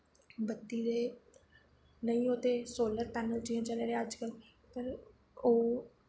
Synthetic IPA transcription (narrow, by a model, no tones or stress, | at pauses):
bət̪ːiːd̪eː | nəĩːoːt̪eːsoːləɾt̪ɛːnəld͡ʒiːãːt͡ʃəleːɾeːəd͡ʒkəl | pəɾ | oː